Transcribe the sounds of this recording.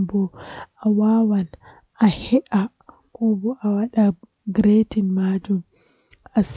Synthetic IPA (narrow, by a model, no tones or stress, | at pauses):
bɔʔawaːwan | ʔahɛʔa | kɔbɔʔawaɗa | ɡɾetinmaːd͡ʒum | ʔas